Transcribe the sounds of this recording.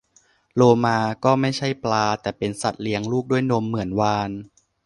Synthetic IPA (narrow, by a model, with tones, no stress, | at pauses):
loː˧maː˧kɔː˥˩ma˥˩jt͡ɕʰa˥˩jplaː˧t̪ɛː˨˩pe˧nsa˨˩t̪̚li˧əŋluː˥˩k̚du˥˩əjno˧mːɯ˩˦ənwaː˧n